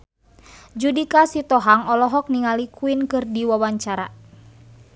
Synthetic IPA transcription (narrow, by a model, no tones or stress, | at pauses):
d͡ʒudikasit̪ɔɦaŋɔlɔɦɔk̚niŋalikuinkɨrdiwawaɲt͡ʃaɾa̰